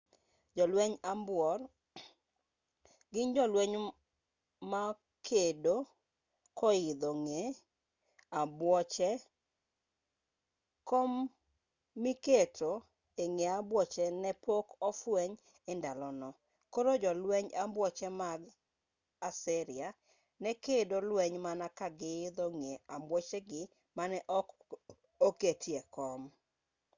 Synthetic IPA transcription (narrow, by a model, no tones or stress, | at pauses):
d͡ʒɔlwɛɲambwɔr | ɡɪnd͡ʒɔlweɲ | ma | kʰedo | kʰɔɪd̪oŋe | abwɔt͡ʃɛ | komː | iketo | eŋeabwɔt͡ʃɛnɛpokɔfwɛɲ | ɪndalɔnɔ | koɾod͡ʒɔlwɛɲambwɔt͡ʃɛmaɡ | asɪɾɪa | nɛkedolwɛɲmanakaɡɪd̪oŋeambwɔt͡ʃeɡɪ | manɛʔɔk | oketjekɔm